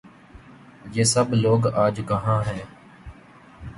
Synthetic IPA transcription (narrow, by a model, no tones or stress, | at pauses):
jeːsəbloːɡaːd͡ʒkəɦãːɦɛ̃ː